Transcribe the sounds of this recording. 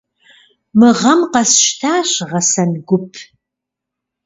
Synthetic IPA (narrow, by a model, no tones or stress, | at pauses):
mɨʁɐmqɐsʃtʰaːɕʁɐsɐnɡʷʊpʰ